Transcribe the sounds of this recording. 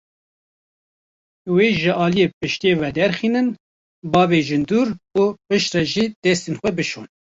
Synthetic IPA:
weːʒɨʔɑːlijeːpɨʃt̪ieːvɛd̪ɛɾxiːnɨn | bɑːveːʒɨnd̪uːɾupɨʃt̪rɛʒiːd̪̥ɛst̪eːnxʷɛbɨʃoːn

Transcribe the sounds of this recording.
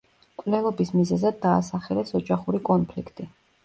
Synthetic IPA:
kʼvlɛlˠɔbismizɛzad̪ːaːsaχɛlɛsɔd͡ʒaχuɾikʼɔnpʰlikʰt̪ʼi

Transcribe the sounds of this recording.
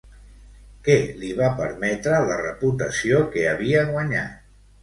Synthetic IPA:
kɛliβapəɾmɛt̪ɾələrəput̪əsiokeəβiəɣwəɲa̰t̪

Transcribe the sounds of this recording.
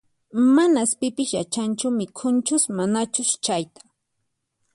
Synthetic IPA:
manaspɪpɪʃjat͡ʃant͡ʃʊmɪkʰʊnt͡ʃʊsmanat͡ʃʊʃt͡ʃajt̪ḁ

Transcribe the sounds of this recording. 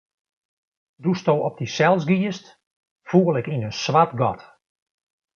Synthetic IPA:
dustoːɔp̚disɛlˠsɡiəst | fuːəlɪkinənsʋatɡɔt

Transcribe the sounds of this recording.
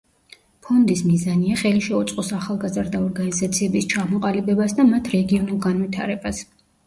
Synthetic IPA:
pʰɔnd̪ismizaniaχɛliʃɛut̪sʼqʼɔsaχalˠɡazɾd̪aɔɾɡanizat̪sʰiɛbist͡ʃʰamɔqʼalibɛbasd̪amat̪ʰɾɛɡiɔnulˠɡanvit̪ʰa̰ɾɛbas

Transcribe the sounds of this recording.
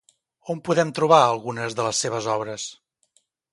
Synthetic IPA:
ompuðɛmt̪ɾuβ̞aəlˠɣunəzðələsːeβ̞əzɔβɾəs

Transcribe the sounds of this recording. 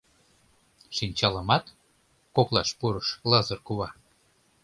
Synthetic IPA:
ʃinʲt͡ɕɑləmɑt̪ | koklɑʃpuɾəʃlɤzərkuβɑ

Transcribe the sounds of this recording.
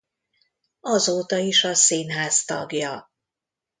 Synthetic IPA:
ɒzoːt̪ɒiʃɒsiːnɦaːst̪ɒ̰ɡjɒ

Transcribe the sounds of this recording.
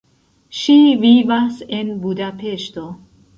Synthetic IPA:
ʃivivasenbud̪apeʃt̪o

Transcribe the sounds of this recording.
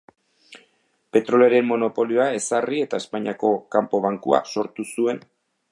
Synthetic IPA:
pe̞t̪ɾo̞leaɾe̞mmo̞no̞po̞lio̞ae̞sarie̞t̪ae̞spajɲako̞kampo̞β̞aŋkua̰so̞ɾt̪usue̞n

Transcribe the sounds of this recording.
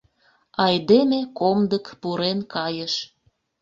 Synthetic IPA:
ɑjd̪emekomd̪əkpuɾenkɑjəʃ

